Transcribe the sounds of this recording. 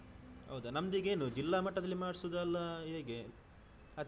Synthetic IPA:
ɦɐ̰wd̪unɐmd̪iɡe̞ːnud͡ʒilːaːmɐʈːɐd̪ɐlːimaːɽsud̪ɐlːɐɦeːɡe | ɐ

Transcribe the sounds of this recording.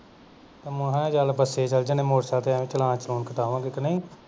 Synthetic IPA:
t̪eːmʊ̃ɦɛ̃ːd͡ʒaːlbəseːt͡ʃəld͡ʒãːnẽːmoːɾsaːt̪eɛ̃ːʋẽːt͡ʃəlãːt͡ʃəloːnkəʈaːʋãːɡekənəĩː

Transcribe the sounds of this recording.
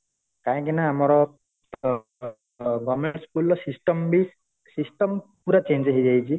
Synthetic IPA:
kaĩkinaːmɔɾɔ | ɡɔmeɳʈskulɔsisʈɔmbi | sisʈɔmpuɾat͡ʃend͡ʒaɦid͡ʒajt͡ʃʰi

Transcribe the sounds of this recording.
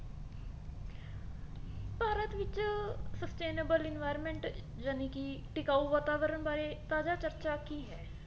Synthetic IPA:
paːɾət̪ʋɪt͡ʃsəsʈeːnəbəlɪnʋaːjɾəmɛ̃ːɳʈ | d͡ʒaneːkiʈɪkaːuːʋaːt̪aːʋəɾəɳbaːɾeːt̪aːd͡ʒaːt͡ʃəɾt͡ʃaːkiːɦɛː

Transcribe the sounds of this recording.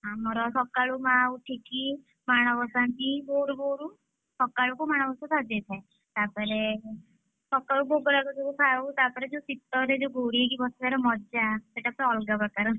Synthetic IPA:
ɦãmɔɾɔsɔkaɭumãuʈʰiki | maɽ̃ɔʋɔsant̪iboɾboɾu | sɔkːaɭukɔmaɽ̃ɔʋɔsɔ̃t̪ʰad͡ʒet̪ʰɛ | t̪apəɾe | sɔkaɭuboɡɾakɔd͡ʒousʰaut̪apɔɾɛd͡ʒosit̪ːɔɾɛd͡ʒoɡoɽiekibɔstaɾɔmɔd͡ʒaseʈapɾɔlɡapɾɔkaɾ

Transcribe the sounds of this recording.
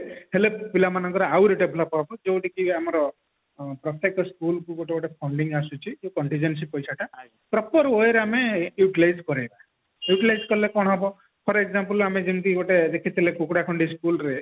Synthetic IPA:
helepilamanɔ̃ŋkɔɾawɾiʈebʱlɔpɦɔbɔd͡ʒewʈikiamɔɾɔ | pɾɔt̪ekɔskulkuɡoʈeɡɔʈepʰɔɳɖiŋɡasut͡ʃʰiewkɔɳʈĩd͡ʒens̬ipɔjsaʈʰa | pɾɔpɔɾojɾamejuʈilajskɔɾajba | juʈilajzkɔɾlekɔɽ̃ɦɔbɔ | pʰɔɾekzampulamed͡ʒimt̪iɡɔʈed̪ekʰit̪ʰilekukɽakʰɔɳɖiskulɾe

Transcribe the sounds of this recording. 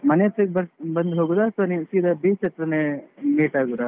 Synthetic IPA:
mɐneɐt̪ːekbɐbɐnd̪ɦoːɡud̪asonisiːd̪ʱɐbiːt͡ʃʰet̪ɾɐnemiːʈaːɡuɾa

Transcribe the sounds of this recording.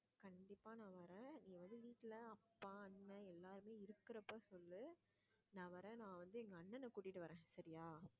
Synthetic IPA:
kɐɳɖɪpːaːnãːʋɐɾẽːnĩːŋɡɐʋɐnd̪ɯʋiːʈːɪlɐɐpːaːɐnːɐɛlːaːɾɯmeːɪɾɯkːɪɾɐpːoːsɔlːɯ | nãːʋɐɾẽːnãːʋɐnd̪ɯɛŋɡɐːnːɛnːɐkuːʈːɪʈːɯʋɐɾẽːsɐɾɪjaː

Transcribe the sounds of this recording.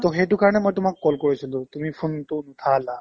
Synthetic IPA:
t̪ɔɦeʈukaɾnemɔjt̪umakːɔlkɔɾɔt͡ʃʰɔlot̪umipʰunt̪unut̪ʰala

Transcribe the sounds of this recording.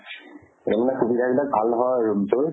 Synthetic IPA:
ɔmnaxubid̪ʱabilak̚bʱalnɔɦɔjɹumtʊɹ

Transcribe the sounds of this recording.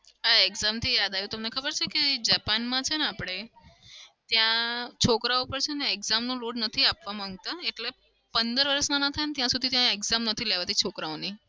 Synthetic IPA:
aeɡzamt̪ʰijad̪ajũt̪əmnekʰəbəɾt͡ʃʰeked͡ʒapanmãt͡ʃʰeneapɽ̃e | t̪jãt͡ʃʰokɾaopəɾt͡ʃʰeneeɡzamnũloɖnət̪ʰiapʋamãŋɡ̚t̪aeʈle | pənd̪əɾʋəɾəsnãnat̪ʰajnet̪jãsud̪ʱit̪jãeɡzamnət̪ʰileʋat̪it͡ʃʰokɾaoni

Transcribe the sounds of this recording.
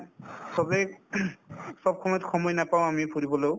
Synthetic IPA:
sɔbɛ | sɔb̚xɔmɔjtxʰɔmɔjnapawʊ̃amipʰuɹibɔlow

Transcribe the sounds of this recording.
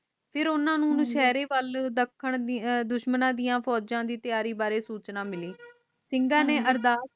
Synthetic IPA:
pʰɪɾʊnãːnũːnũːʃɛːɾeːʋəld̪əkʰːəɳd̪ʊʃmənãːd̪ɪjãːpʰɔːd͡ʒãːd̪iːt̪ɪjaːɾiːbaːɾeːsuːt͡ʃnaːmɪliː | sɪŋɡãːneːʔəɾd̪aː

